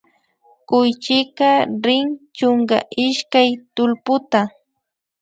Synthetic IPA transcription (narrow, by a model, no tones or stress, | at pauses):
kʊjt͡ʃɪkaɾɪŋt͡ʃoŋka̰ʔɪʃkajt̪ʊlpʊt̪a